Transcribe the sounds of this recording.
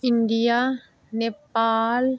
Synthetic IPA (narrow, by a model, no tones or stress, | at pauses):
ɪɳɖija | nepaːl